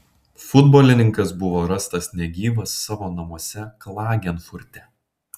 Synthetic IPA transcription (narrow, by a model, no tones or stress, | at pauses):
fʊd̪boːlʲɪnʲɪŋkɐsbʊʋoːɾɐst̪ɐsnʲɛɡʲiːʋɐsːɑːʋoːnɐmuɔsʲɛklˠɑːɡʲɛnfʊɾʲt̪ʲɛ